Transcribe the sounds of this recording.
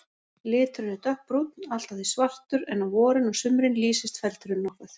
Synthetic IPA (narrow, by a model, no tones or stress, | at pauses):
lɪːt̪ɾʏnɪt̪œhk̚pɾut̪nal̥t̪aθisvar̥t̪ʏɾɛnːavɔːɾɪnɔɣsʏmɾɪnliːsɪst̪fɛlt̪ʏɾʏnːɔhkʏθ